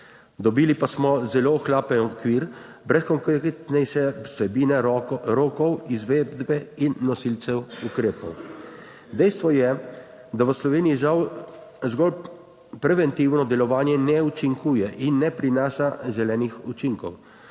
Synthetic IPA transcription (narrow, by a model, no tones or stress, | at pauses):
d̪ɔbilipasmɔzɛloxlaːpɛnɔkʋiɾ | bɾɛskɔŋkkt̪nɛʃɛsɛbiːnɛɾoːkɔwizʋeːd̪bɛinːɔsilt̪sɛwukɾeːpɔw | d̪ɛjst̪ʋɔjɛ | d̪aʋəslɔʋeːniiʒaw | zɡɔl | pɾɛʋɛnt̪iwnɔd̪ɛlɔʋaːnjɛnɛut͡ʃiŋkuːjɛʔinːɛpɾinaːʃaʒɛlɛːnixut͡ʃiŋkɔw